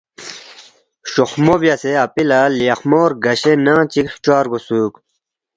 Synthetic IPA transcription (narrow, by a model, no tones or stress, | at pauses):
ɕoxmovjaseɐpilaliɐxmoːɾɡɐɕenãːt͡ɕikst͡ɕaːɾɡosuːk